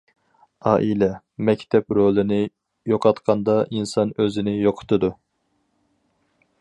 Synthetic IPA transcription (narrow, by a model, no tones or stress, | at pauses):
ɑːʔilɛ | mɛkʲt̪ʰɛpɾolˠɪnɪ | joqʰɑt̪qʰɑnd̪ɑʔinsɑnøzɪnɪjoqʰʊ̥t̪ʰɨd̪u